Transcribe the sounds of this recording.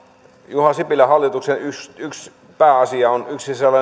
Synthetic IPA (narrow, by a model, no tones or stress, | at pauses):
juhɑsipilæhɑlːˑit̪uksenysyks | pæːɑsiɑonyksiselːɑ